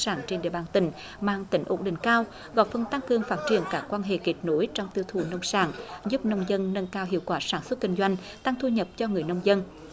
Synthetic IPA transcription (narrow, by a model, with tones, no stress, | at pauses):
saː˧˩ŋt͡ɕe˧nɗḭ˧˨əɓaː˨˩nt̪ï˧˩ŋ̟ | ma̰ː˧˨ŋt̪ï˨˩ŋ̟ʔo˨˦˩nɗḭ̈˧˨ŋ̟kaː˧w | ɣɔ̰˨˩jfə˧nt̪a˧ŋkɨ˨˩əŋfaː˦˥t̚t͡ɕḭ˨˩ənkaː˦˥kːwaː˧nɦḛ˧˨ki˨˩t̚no˨˦jt͡ɕɔ˧wŋ͡mt̪i˧əwt̪ʰu˧˨˩nə˧wŋ͡msaː˧˩ŋzu˦˥p̚nə˧wŋ͡mzə˧nːə˧nkaː˧wɦḭ˧˨əwkwaː˧˩saː˧˩nswə˦˥t̚ki˧ŋ̟zwa˧jŋ̟ | t̪a˧ŋt̪ʰu˧ɲə˨˩p̚t͡ɕɔ˧ŋɨ˨˩əjnə˧wŋ͡mzə˧n